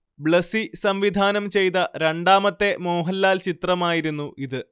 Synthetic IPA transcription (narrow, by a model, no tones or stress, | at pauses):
bɭɐsisɐmʋid̪ʱaːnɐmt͡ɕe̞jt̪̬ɐɾe̞ɳɖaːmɐt̪ːe̞moːɦɐlːaːlt͡ɕit̪rɐmaːjiɾunːuʔiðɨ